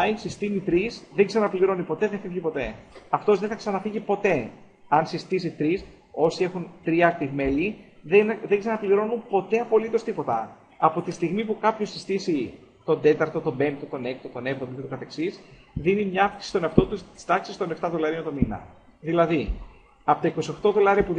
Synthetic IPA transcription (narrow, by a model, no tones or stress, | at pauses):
ɐjsist̪init̪ɾisðeksenɐpliɾo̞nipo̞t̪eðeθɐiʝipo̞t̪e̞ɐft̪o̞zðeθɐksɐnɐfiʝipo̞t̪e̞ | ɐnsist̪isit̪ɾis | o̞sie̞xunt̪ɾiɐkt̪ivme̞liðenðeçsenɐpliɾo̞numpo̞t̪e̞ɐpo̞lit̪o̞st̪ipo̞t̪ɐ | ɐpo̞t̪ist̪iɣmipukɐpço̞si̥st̪isi | t̪o̞nd̪e̞t̪ɐɾt̪o̞t̪o̞be̞nt̪ot̪o̞ne̞k̚t̪ot̪o̞ne̞pt̪omoket̪okɐθe̞ksisðinimɲɐɐfksi̥sist̪o̞neɐft̪o̞t̪ust̪i̥st̪ɐksist̪o̞neft̪ɐðo̞lɐɾiont̪o̞minɐ̰ | ðilɐði | ɐpot̪ɐiko̞sio̞xt̪o̞ðo̞lɐɾiɐpu